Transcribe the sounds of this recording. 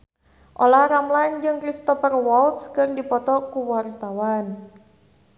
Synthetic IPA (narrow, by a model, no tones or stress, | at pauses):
ʔolahɾamland͡ʒɨŋkɾist̪ɔfərwɔlt̪skɨrdipɔt̪ɔkuwart̪awan